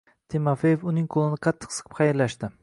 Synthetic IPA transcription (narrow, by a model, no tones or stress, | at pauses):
t̪ʰɪmafejefʊnɪŋqʰolˠɪnɪqʰɑt̪ʰːɪ̥qsɨ̥qʰɨ̥pχɑjɪɾlaʃt̪ɪ